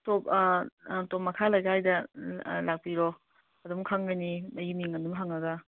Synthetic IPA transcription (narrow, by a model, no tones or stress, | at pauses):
top | tomɐkʰalɐjɡaajdɐlak̚piɾɔ | ɐdumkʰaŋɡɐjnimɐjimiŋɐdumɦaŋɐɡɐ